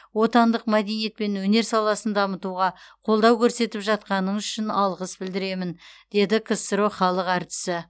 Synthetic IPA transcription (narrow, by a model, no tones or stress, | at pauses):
wo̞t̪ɑnd̪əqmæd̪e̞nije̞t̪̚pe̞nwɵne̞ɾsɑlˠɑsənd̪ɑmət̪uʁɑqʰo̞lˠd̪ɑwkʲʰɵɾse̞t̪ɪpʒɑt̪̚qɑnəɴʏʃɪnɑlˠʁəsbɪld̪ɪɾe̞mɪnd̪̥e̞d̪ɪkʰəsəɾoχɑlˠəqæɾt̪ɪ̥sɪ